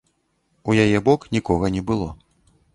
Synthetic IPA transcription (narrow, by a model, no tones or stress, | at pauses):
ujajɛbɔknʲikɔɣɐnʲɛbɨlˠɔ